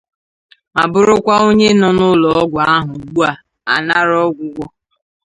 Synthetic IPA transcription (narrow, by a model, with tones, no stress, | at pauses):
a˨bʊ˦ɾʊ˦kʷa˦o˦ɲe˦nɔ˨nʊ˦lɔ˨ɔ˦ɡʷɔ˨a˦ɦʊ˨ɡ͡bu˦a˨ | a̰˨na˦ɾɔ˦ɡʷʊ˦ɡʷɔ˦